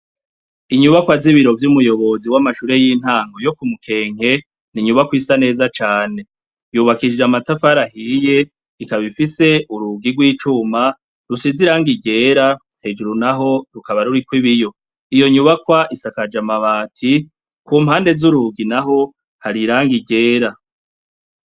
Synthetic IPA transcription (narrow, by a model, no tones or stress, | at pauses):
iɲuβakwaziβiɾo̞vjumujo̞βo̞ziwamaʃuːɾe̞jiːn̥haːŋɡojokumukʰe̞ːɲ̥e̞ | niɲuβakwiːsane̞ːzat͡ʃaːne̞ | juːβakid͡ʒamatafaɾahije̞ | ikaβifise̞uɾuɡiɡwiːt͡ʃuːma | ɾusiziɾaːŋɡiɡe̞ːɾa | he̞d͡ʒuɾunaɦo̞ɾukaβaɾuɾikwiβijo̞ | ijo̞ɲuβakwaʔisakad͡ʒamaβaːtʰi | kuːmhaːnde̞zuɾuɡinaɦo̞ | haɾiɾaːŋɡiɡe̞ːɾa